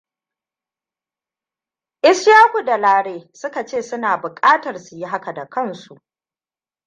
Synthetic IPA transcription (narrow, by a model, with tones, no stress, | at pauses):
ʔɪ˦sjaː˦kʷu˨da˨laː˦ɽeː˦sʊ˦ka˨t͡ʃeː˦˨sʊ˦naː˨bʊ˨kʼaː˦tɐ˨rsu˨ji˦ɦa˦ka˨da˨kɐ˦˨nsu˨ʔ